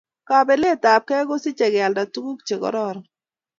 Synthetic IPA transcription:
ka˨be˨le˦˨ta˨p̚kɛ˦ɡo˦sɪ˦t͡ʃɛ˨ɡa˨lda˨tu˦ɡu˦kt͡ʃe˨ɡɔ̰˨˦ɾɔ˦˨ɾɔ˨

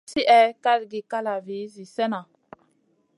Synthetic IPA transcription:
si˦ʔɛ˦ka˦dɡi˨ka˦la˨vi˨˦zi˨sɛ˦na˨

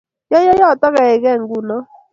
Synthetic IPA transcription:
jɔ˦jɔ˦jɔ˦˨tɔ˦ɣa˨ɛ˨ɣɛ˦˨ŋ˦ɡu˨nɔ˦

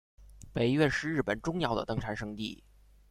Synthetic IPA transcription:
pe˨˩ɪɥɛ˥˧nʂɻ̩˥˧ɻ̩˥˩pə˨˩nʈ͡ʂʊ˥ŋjɑ˥˧ʊd̪ə̰˧t̪ɤ˥˩ŋʈ͡ʂʰa˧˥nʂɤ˥ŋt̪ḭ˥˩

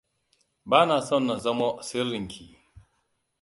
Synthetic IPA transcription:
baː˦naː˨sɐ˦˨nːa˨zɐ˦ma˦sɪ˦rːɪ˨ŋkʲʰiː˨

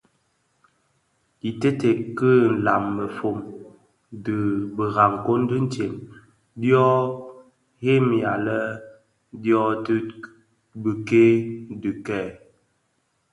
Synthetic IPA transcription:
i˨te˦te˨kə˦n̩˨la˨mːə˨fo˨m | də˨bə˨ɣa˨ŋ˨ko˦n̩˦də˦n̩˦te˨m | djɔ˦ | he˦mja˨lə˦ | djɔ˦tə˦ | bə˨ke˦dɨ˨kɛ˦˨

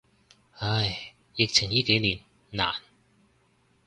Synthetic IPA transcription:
hɐ˧j | jɪ˨k̚t͡sʰɪ˨˩ŋjiː˥ke˨˥jniː˨˩nː | a̰ː˨˩n

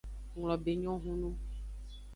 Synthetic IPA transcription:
ŋl̃ɔ̃˨be˨ɲɔ̃˦ɦũ˦nũ˦

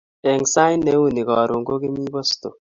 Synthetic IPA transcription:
ɛ˨ŋsa˦ɪ˦nːe˦wu˦˨ni˨kɔ˨ɾu˨ŋɡo˦ki˦mi˦bɔ˦sto̰˨

